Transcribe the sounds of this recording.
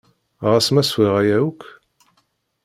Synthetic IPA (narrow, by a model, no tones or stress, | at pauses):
ʁæsmæswiʁæjæuk